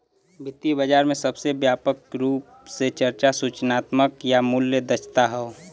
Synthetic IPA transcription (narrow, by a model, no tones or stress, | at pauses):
bʱɪt̪ːibəd͡ʒaːɾmẽsəbsebjaːpəkɾuːp | set͡ʃəɾt͡ʃasut͡ʃnaːt̪məkjamʊljəd̪ət͡ʃʰt̪aɦɛo